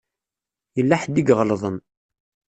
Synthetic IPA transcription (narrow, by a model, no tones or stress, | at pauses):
jəlːaħd̪iɡʁlðˤən